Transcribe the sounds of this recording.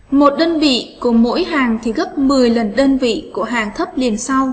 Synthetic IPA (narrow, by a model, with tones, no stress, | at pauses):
mo˨˩t̚ɗəː˧nvḭ˧˨ku˧˩əmo̰˧˥jhaː˨˩ŋt̪ʰi˨˩ɣə˦˥p̚mɨ˨˩əjlə˨˩nɗəː˧nvḭ˧˨ku˧˩əɦaː˨˩ŋt̪ʰə˦˥p̚li˨˩ənsa˧w